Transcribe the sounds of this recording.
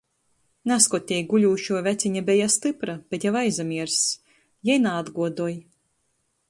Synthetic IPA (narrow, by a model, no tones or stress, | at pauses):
naskɔt̪ʲɛjɡulʲuːʃuɔvʲæt̪siɲabʲɛjast̪ɨpɾab̥ʲɛt̪javajzamʲiɛɾs | jɛjnaːd̪ɡuɔd̪uɔj